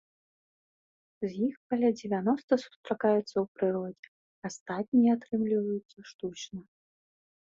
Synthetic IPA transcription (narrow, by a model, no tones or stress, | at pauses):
zjixkɐlʲad͡zʲɪvʲan̪ɔst̪ɐsu̥st̪ɾakajɛt̪sːɐwpɾɨɾɔd͡zʲɛ | ast̪at̪̚ʲnʲijɛat̪ɾɨmlʲivɐjut̪sːɐʂt̪ut͡ʃnɐ